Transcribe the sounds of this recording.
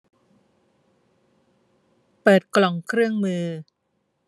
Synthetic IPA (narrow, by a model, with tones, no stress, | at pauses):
pɤː˨˩t̪̚klɔ˨˩ŋkʰɾɯ˥˩əŋmɯː˧